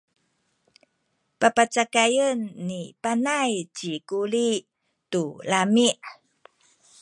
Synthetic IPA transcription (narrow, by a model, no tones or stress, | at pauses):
papat͡sakajənːipanajt͡ɕikuli | tulamiʔ